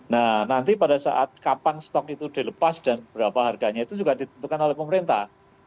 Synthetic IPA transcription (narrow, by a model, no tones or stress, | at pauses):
nanant̪ipadasa̰ʔat̪̚kapanst̪ɔkit̪udiləpasdanbəbəɾapaɦarɡaɲait̪ud͡ʒuɡadit̪ənt̪ukanolɛhpəməɾint̪ah